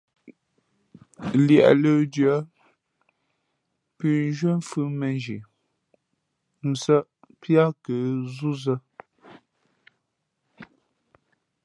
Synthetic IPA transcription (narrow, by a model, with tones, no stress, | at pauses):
ljɛ˨ʔlə˨djə˨˦ | pʉ˨n˦ʒwə˦m˦fʉ˦mə˨nd͡ʒi˨ | n̩˨sə˦ʔpʰja˦kə˨zu˦zə˦